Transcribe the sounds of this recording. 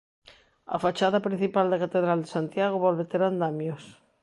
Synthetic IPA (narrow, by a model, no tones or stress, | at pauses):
a̰fat͡ʃaðapɾin̟θipald̪ekat̪eðɾald̪esant̪jaɣ̞oβɔlβet̪eɾand̪amjos